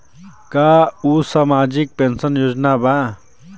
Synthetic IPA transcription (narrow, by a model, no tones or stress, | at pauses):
kausamad͡ʒik̚pensənjoːd͡ʒnaba